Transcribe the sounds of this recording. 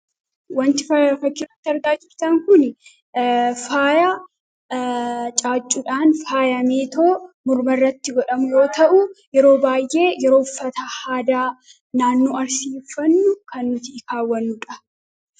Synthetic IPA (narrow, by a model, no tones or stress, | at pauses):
wɐnt̪ɪfɐfɐkːɪrɐt̪ːɐɾd̪aːd͡ʒɪɾt̪ɐŋkʊn | faːjɐ | t͡ʃʼaːt͡ʃʼːʊᶑaːnfaːjɐmeːt̪o̞ːmʊɾmɐrːɐt̪ːɪɡɔᶑɐmʊjo̞ːt̪ɐʔʊjɛɾo̞ːbaːjʔe̞ːjɛɾo̞ːʊfːɐt̪ɐhaːd̪aː | naːnːoːɐɾsiːfːɐnːʊkɐnːʊt̪ɪːkaːwːɐnːʊᶑɐ̥